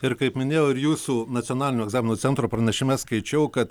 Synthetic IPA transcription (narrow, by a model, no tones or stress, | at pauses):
ɪɾkɐɪpmʲɪnʲeːjoːɪɾjuːsuːnɐt̪ʲonɑːlʲɪnʲoːɛɡzɑːmʲɪnoːt̪sʲɛnt̪ɾoːpɾɐnʲɛʃʲɪmʲɛskɐɪt͡ʃʲɛʊkɐt̪